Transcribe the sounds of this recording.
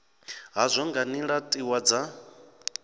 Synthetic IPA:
ɦazʷɔŋɡaniɺatʼiwad͡za

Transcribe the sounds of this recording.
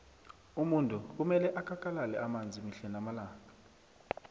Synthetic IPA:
umuntʼuk̬umɛlɛʔakʰakʼalalɛamand͡zʱimiɬɛnamalaːŋa

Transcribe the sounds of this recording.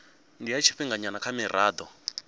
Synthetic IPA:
ndiait͡ʃʰi̥ɸiŋɡaɲanakʰamɛɾaːd̪ɔ

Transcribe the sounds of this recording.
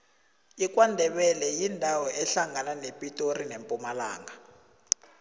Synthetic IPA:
ik̬ʼwandʱɛɓɛlɛjindʱawɔɛɬaŋananepʼitʼorinempʼumalaːŋɡa

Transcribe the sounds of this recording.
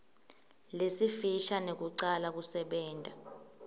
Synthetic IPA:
lesifiʃanek̬uǀalak̬usɛɓɛːntʼa

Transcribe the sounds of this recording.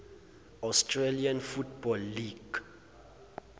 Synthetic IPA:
astʰʼrelianfutʰbɔlːiɡ̥

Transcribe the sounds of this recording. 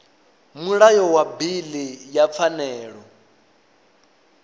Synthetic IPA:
muɺajɔwabilijap̪fʰanɛːɺɔ

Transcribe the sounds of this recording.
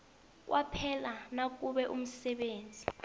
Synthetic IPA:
k̬ʼwʔapʰɛlanak̬ʼuɓɛʔum̩sɛɓeːnd͡zʱi

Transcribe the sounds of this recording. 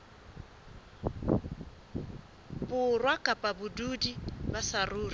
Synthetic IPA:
bʊrwakʼapʼabʊdudibasaruːri

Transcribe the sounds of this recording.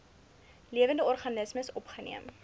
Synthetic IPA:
liəvəndəɔrχɐnəsməsɔpχənḭəm

